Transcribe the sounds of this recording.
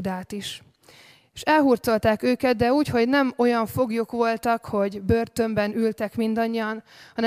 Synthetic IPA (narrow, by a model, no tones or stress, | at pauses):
d̪aːt̪iʃ | eːʃɛlɦuːrt̪so̞lt̪aːkøːkɛd̪̚d̪ɛuːcho̞ɟnɛmo̞jɒɱfo̞ɡjokʋo̞lt̪ɒkho̞ɟbøːrt̪ø̞mbɛnylt̪ɛkmind̪ɒɲːiɒnhɒnɛ